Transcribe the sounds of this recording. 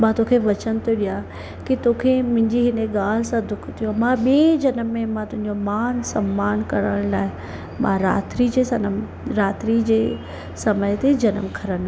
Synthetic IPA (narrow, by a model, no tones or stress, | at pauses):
mãːt̪okʰeʋɐt͡ɕənɪ̆t̪ʰoɗija | kit̪oːkʰemʊ̃ɦɪ̃ɲd͡ʑiɦɪneɡaːl̤ɪsãd̪ʊkʰt̪ijõmãɓied͡ʑɐnəmːẽmãt̪ʊ̃ɦɪ̃ɲd͡ʑomaːnsɐmːaːnkɐɾəɽ̃laːɪ | mãɾa̰ːt̪ɾid͡ʑeːsɐn | ɾaːt̪ɾid͡ʑeː | sɐməjt̪ed͡ʑɐnəmkʰɐɾən